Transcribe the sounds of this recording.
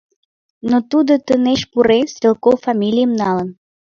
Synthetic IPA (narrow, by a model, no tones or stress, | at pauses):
not̪ud̪ot̪əneʃpuɾesvʲelˠkowfɑmʲilʲijəmnɑlən